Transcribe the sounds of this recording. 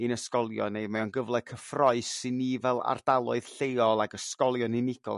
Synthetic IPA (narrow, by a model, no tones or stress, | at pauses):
ɨnəskɔlˠjɔ̰nejmɛwnɡəvlˠɛkʰəfrɔɨsɪnːivɛlˠa̰rd̥alˠʊɨð̥ɬejɔlˠaɡəskɔlˠjɔnɪnɪɡ̥ɔ̰lˠ